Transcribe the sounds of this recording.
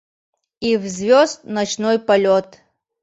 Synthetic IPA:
ivzvʲɔzt̪̚nɐt͡ʃnɔjpɐlʲɔt̪

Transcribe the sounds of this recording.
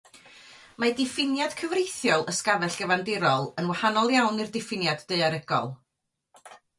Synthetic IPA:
madɪfɪnjad̥kʰəvrejθjɔlˠʔəskavɛɬɡ̥əvandɪɾɔlˠənwahanɔlˠjawnɨrdɪfɪnjadːeɨaɾɪɡɔ̰lˠ

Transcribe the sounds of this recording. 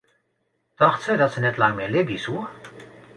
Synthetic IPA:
t̪ɑχt̪sədɑt̪sənɛtlɑŋmelebisuə

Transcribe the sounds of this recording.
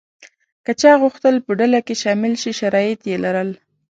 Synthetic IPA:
kət͡ʃɑɣʊxt̪əlpəɖalakeʃɑmɪlʃiʃaɾɑjɪt̪jelaɾəl

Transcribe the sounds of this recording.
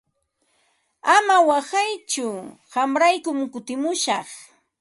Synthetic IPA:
amawasajt͡ʃʊ | ɢɑmɾajkʊmkʊt̪ɪmʊʃɑχ

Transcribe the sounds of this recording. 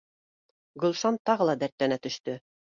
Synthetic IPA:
ɡɵ̆lˠʃɑnt̪ɑʁɤ̆lˠɑd̪æɾt̪ːænæt̪ɵ̆ʃt̪ɵ

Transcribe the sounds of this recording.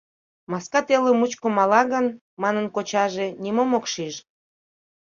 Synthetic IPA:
mɑskɑt̪elemut͡ɕkomɑlɑɣən | mɑnənkot͡ɕɑʒenimomokʃiʃ

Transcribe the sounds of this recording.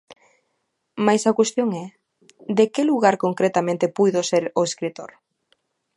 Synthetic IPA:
majsakwest̪joŋɛ | d̪ekeluɣaɾkoŋkɾet̪amẽnt̪epujðoseɾoeskɾit̪o̰ɾ

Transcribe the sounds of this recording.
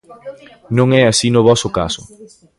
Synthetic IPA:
nõŋɛasinʊβɔsʊka̰sʊ̰

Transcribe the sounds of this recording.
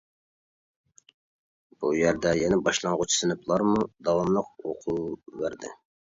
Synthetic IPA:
b̥ujæɾd̪ɛjɛnɛbɑʃlˠɑŋʁʊt͡ʃʰi̥sɨnɪpʰlˠɑɾmud̪ɑwɑmlˠəq̚o̰qʰuvæɾd̪ɪ̰

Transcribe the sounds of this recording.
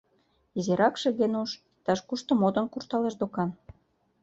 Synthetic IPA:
izeɾɑkʃĕɣenuʃ | t̪ɑʃkuʃt̪ŏmod̪ə̆nkurt̪ɑleʃd̪okɑn

